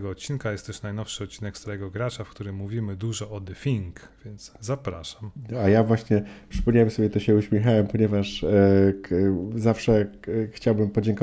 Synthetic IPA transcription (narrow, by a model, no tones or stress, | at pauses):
ɡɔɔt̪̚t͡ɕinkajɛst̪ɛʂnajnɔfʂɘɔt̪̚t͡ɕːinɛkst̪aɾɛɡɔɡɾat͡ʂafkt̪uɾɘmːuvʲimɘd̪uʐɔɔd̪ɛfʲiŋk | vʲjɛnt̪szapɾaʂamajavwaɕɲɛpʂɨ̥pɔmɲawɛmsɔbʲɛt̪ɔɕɛuɕmʲjɛxawɛmpɔɲɛvaʂ | zafʂɛxt͡ɕawbɘmpɔd͡ʑɛŋkɔ